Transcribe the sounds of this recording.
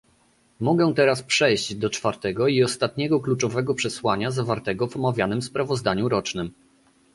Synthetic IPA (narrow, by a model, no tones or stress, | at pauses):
mɔɡɛ̃t̪ɛɾaspʂɛjʑd͡ʑd̪ɔt͡ʂfaɾt̪ɛɡɔiɔst̪at̪̚ɲɛɡɔklut͡ʂɔvɛɡɔpʂɛswaɲazavaɾt̪ɛɡɔvɔmavʲjanɘmspɾavɔzd̪aɲuɾɔt͡ʂnɘm